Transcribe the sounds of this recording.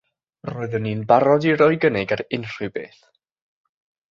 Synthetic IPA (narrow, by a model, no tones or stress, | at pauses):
roːɨðənːiːnbaɾɔdiɾɔɨɡənɛɡaɾɪnr̥ɨbḛːθ